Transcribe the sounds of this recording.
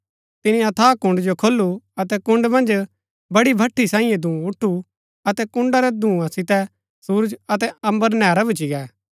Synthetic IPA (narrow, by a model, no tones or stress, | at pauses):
t̪ɪnĩɐt̪ʰaːkʊ̃ɳɖd͡ʒokʰoːlːuɐt̪ɛkʊ̃ɳɖmɐ̃nd͡ʒ | bɐɽibʱɐʈʰːisãːĩjɛ̃d̪ʱũːʊʈʰːu | ɐt̪ɛkʊ̃ɳɖaɾɛd̪ʱũːãsɪt̪ɛ | suːɾd͡ʒɐt̪̬ɛɐ̃mbəɾnɛːɾabɪt͡ʃiɡɛː